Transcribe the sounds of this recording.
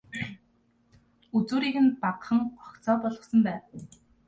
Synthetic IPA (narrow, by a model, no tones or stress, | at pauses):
ut͡suːɾiːkɘ̆npaqχə̆ŋɢɔkt͡sɔːpɔɮʁɞ̆sɞ̆mpæːw